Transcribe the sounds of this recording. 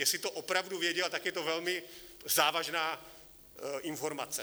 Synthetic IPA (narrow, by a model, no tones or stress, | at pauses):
jɛsɪt̪oʔopɾavduvjɛɟɛlt̪akjɛt̪ovɛlmɪzaːvaʒnaː | ʔɪnfoɾmat͡sɛ